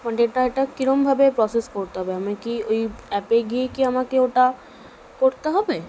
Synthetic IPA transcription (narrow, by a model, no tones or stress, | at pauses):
maʈeeʈaeʈakiɾombʱabepɾɔseskoɾt̪eɦɔbeamekiojɛpeɡiekiamakeoʈa | koɾt̪eɦɔbe